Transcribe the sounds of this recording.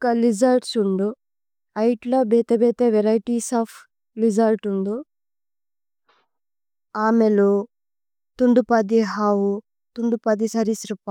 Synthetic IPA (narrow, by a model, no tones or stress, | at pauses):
kɐlid͡ʒɐlʈsuɳɖu | ɐjʈlobeːt̪ebɛːt̪eʋeɾɐjʈisaːp | lid͡ʒɐlʈuɳɖu | aːmelo | t̪uɳɖupɐd̪iɦaːwu | t̪uɳɖupɐd̪isɐɾisɾip